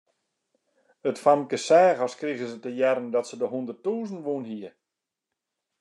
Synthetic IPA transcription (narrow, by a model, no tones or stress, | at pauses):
ətfamkəsɛːɣəskriɣəsətəjɛɾəndɔtsədəɦundərtuːzən̩ʋunɦiə